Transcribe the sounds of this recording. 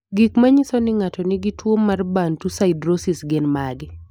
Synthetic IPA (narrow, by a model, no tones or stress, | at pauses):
ɡikmaɲisɔnɪŋatɔnɪɡɪtwomːarbantusaɪdɾosɪsɡɪnmaɡɪ